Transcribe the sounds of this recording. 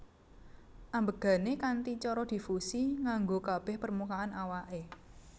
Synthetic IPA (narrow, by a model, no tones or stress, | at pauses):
ʔambəɡ̥a̤nekant̪it͡ʃɔɾɔd̪̥i̤fusiŋaŋɡokab̥ɛ̤hpərmukaanawaʔe